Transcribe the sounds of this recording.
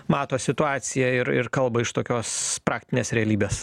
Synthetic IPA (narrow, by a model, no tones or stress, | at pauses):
mɑːt̪oːsʲɪt̪ʊɑːt̪sʲɪjɛɪɾɪ̰ɾkɐlˠbɐɪʃt̪oːkʲoːspɾɑːkt̪ʲɪnʲeːsɾʲɛɐlʲiːbʲeːs